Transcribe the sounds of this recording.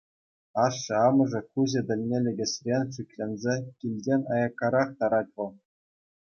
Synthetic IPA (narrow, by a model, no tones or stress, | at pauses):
ɑʂːɤ̆ɑmɤ̆ʐɤ̆kuzʲɘ̆d̪ʲɘ̆lʲnʲelʲĕɡʲɘ̆sʲrʲenʲʂykʲlʲenʲzʲekʲilʲdʲenʲɑjɑkːɑɾɑχt̪ɑɾɑt̚ʲʋɤ̆lˠ